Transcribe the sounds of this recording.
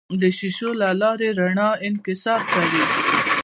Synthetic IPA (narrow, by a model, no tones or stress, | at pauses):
d̪əʃiʃolalɑɾeɾaɳɑɪnkɪsɑɾkawi